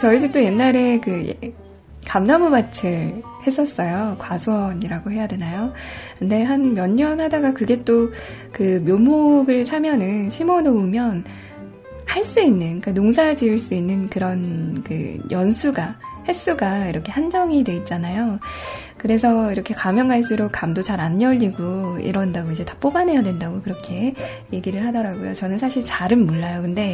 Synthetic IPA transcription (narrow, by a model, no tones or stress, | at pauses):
t͡ɕʌisʰik̚t͈oje̞nːaɾe̞kɯj̰ | kamnamubat͡ɕʰɯɭhe̞s͈ʌs͈ʌjokwasʰoʌɲiɾaɡohe̞jadwe̞najokɯnde̞ɦanmjʌɲːʌnhadaɡakɯɡe̞t͈okɯmjomoɡɯɭsʰamjʌnɯnɕʰimonoumjʌn | haɭs͈uinːɯnkanoŋsʰad͡ʑiɯɭs͈uinːɯnkɯɾʌnkɯ̰jʔʌnsʰuɡahe̞s͈uɡaiɾʌkʰe̞hand͡ʑʌŋidwe̞it̚t͡ɕ͈anajo | kɯɾe̞sʰʌiɾʌkʰe̞kamjʌŋaɭs͈uɾokk͈amdot͡ɕaɾaɲːʌʎːiɡoḭɾʌndaɡoid͡ʑe̞tḁp͈obanɦe̞jadwendaɡokɯɾʌkʰe̞ | je̞ɡiɾɯɭɦadʌɾaɡojo̰t͡ɕʌnɯnsʰaɕʰiɭt͡ɕaɾɯnmuɭːajokɯnde̞